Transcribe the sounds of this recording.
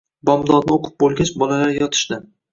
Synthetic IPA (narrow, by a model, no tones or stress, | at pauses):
bɒmd̪ɒd̪nɪoqʰɨ̥p̚bolˠɡʲat͡ʃbɒlalaɾjɒt̪ʰɪ̥ʃd̪ɪ